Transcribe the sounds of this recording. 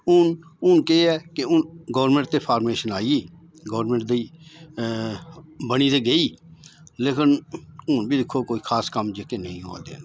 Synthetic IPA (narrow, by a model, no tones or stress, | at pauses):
ʊnʊnkeɛːkeʊnɡəʋəɾmẽːɳʈt̪eːpʰaːɾmeːʃənaːiiː | ɡəːɾmẽɳʈ̚d̪iː | bəniːt̪eːɡəiːleːkɪnʊnbiːd̪ɪkʰːoːkoːiːkʰaːskəmd͡ʒeːkeːnəĩːo̰ːd̪ḛːnː